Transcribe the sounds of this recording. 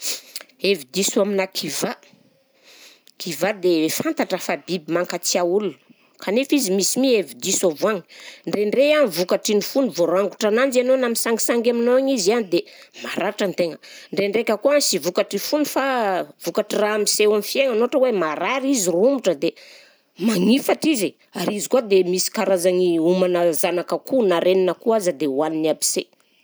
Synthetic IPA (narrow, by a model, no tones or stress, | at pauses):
evid̪isuaminakʰiva | kʰivad̪efant̪aʈ͡ʂəfabibimaŋkat͡siaulun | kʰanefizimisimievid̪isovuaŋiɳɖ͡ʐeɳreanvukaʈ͡ʂinifunivoɾaŋɡuʈ͡ʂananzianonamisaŋɡisaŋɡaminoaŋizianid̪e | maɾaɾʈ͡ʂant̪eŋəɳɖ͡ʐeɳɖ͡ʐekʲəkuansivukaʈ͡ʂifunifav̥ukaʈ͡ʂiraamisewamifieŋanoaʈ͡ʂəwemaɾaɾizirumuʈ͡ʂəd̪e | maŋifaʈ͡ʂize | aɾizikuad̪emisi̥kaɾazaŋiumanazanakəkunaɾeninəkuazəd̪ewaniniabi̥se